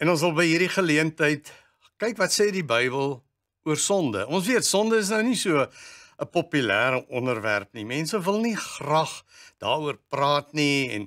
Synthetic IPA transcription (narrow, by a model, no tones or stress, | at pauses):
ɛnɔ̃nsɐlˠbəjɦiːrdiχəliəntəjt | kɛjkvɐtsɛːdibəjbəlˠ | uərsɔndə̰ʔɔnsviətsɔndəəs̬nəwnisuəəpɔpylæːɾəʔɔnərvæ̰rpnimɛnsəvəlˠniχrɐχd̥ɑːɾuərprɑːtniɛ̰n